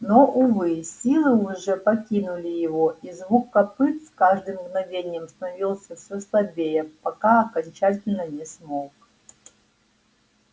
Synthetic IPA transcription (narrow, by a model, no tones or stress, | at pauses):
noʔuvɨsʲilˠɨuʐɛpɐkʲinulʲijɪvoizvukːɐpɨt̪skaʐd̪ɨmɡnɐvʲenʲɪjəmst̪ɐnɐvʲilˠsʲəfsʲɔslˠɐbʲejɐpɐkaɐkɐnʲt͡ɕatʲɪlʲnənʲɛsmok